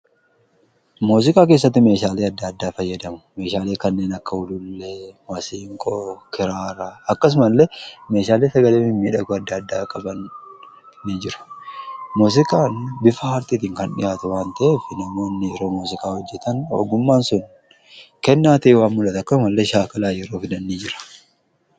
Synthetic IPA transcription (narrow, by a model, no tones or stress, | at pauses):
muːs̬ɪkʼaːk̬e̞ːs̬ːɐt̪ːɪme̞ːʃaːleːɐd̪ːɐɐd̪ːaːfɐjːɐd̪ɐmʊ̥meːʃaːleːkɐnːeːnɐkːɐʊlʊlːeːwɐsiːŋkʼoːkɪɾaːɾaɐkːɐs̬ʊmɐlːɛme̞ːʃaːleːsɐɡɐleːɪmiːᶑɐɡʊɐd̪ːɐːd̪ːaːkʼɐbɐnː | id͡ʒɪɾʊ̥muːs̬ɪkʼaːnbɪfɐhɐɾt̪it̪iːŋkɐnᶑɪ̰jaːt̪ʊwaːnt̪ɐʔe̞ːfɪnɐmo̞ːnːɪjɛɾo̞ːmuːsɪkʼaːhɔd͡ʒːɛt̪ɐno̰ɡʊmːaːnsʊn | kɛnːaːt̪iwaːnmʊlɐt̪ɐkːɐsʊmɐlːeʃaːkɐlaːjɛɾo̞ːfɪd̪ɐnːid͡ʒɪɾɐ̥